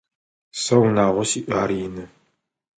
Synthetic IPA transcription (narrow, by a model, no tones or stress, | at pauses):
sɐwnaːʁʷɔsiʔʷaːɾjɪnɨ